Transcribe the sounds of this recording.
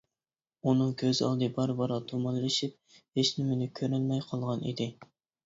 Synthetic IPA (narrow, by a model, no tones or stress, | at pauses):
unɨŋɡʲøzɑ̰lˠd̪ɨbɑɾbɑɾɑt̪ʰomɑllɨʃip̚heʃnɪmɪnɪkʲʰøɾɛlmɛjqʰɑlˠʁɑnʔḭd̪ɪ